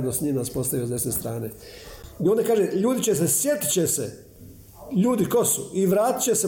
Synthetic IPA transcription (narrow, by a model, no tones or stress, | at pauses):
d̪nosɲimnaspo̞st̪aʋiozesnest̪ɾaːne | io̞nd̪akaːʒeʎuːd̪it͡ɕes̬esje̞t̪i̥t͡ɕesḛ | ʎuːd̪iko̞sṵiʋɾaːt̪i̥t͡ɕe̞se